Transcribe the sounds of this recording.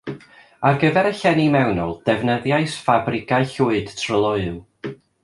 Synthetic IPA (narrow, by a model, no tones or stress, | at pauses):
arɡəvɛɾəɬɛnimɛwnɔlˠd̥ɛvnəðjaɨsfabrɪɡaɨɬuɨd̥tʰrəlˠʊɨlˠ